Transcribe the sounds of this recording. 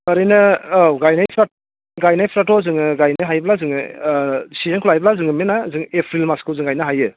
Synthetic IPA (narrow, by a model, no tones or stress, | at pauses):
ɐɾɯjnɯɡajnajpʰɾa | ɡajnajpʰɾatɔzɯŋɯɡajnɯɦajblazɯŋɯ | sizenkʰulajbɐlazɯŋɯmenazɯŋepʰɾilmaskɯwzɯŋɡajnɯɦajɯ